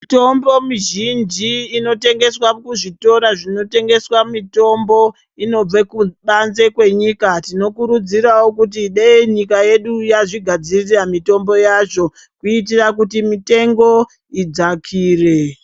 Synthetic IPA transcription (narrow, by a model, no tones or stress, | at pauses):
itombo̞miʒind͡ʒiːno̞te̞ŋɡe̞swakuʐito̞ɾaʐino̞te̞ŋɡe̞swamito̞mbo̞ | ino̞b͡vekuɓanze̞kwe̞ɲikatino̞kuɾud͡ziɾawokut̬iɗeɲikaje̞ɗujaʐiɡʱad͡ziriramito̞mbo̞jaʐo̞ | kuitirak̬utimite̞ŋɡo̞ | id͡zakʰiːre̞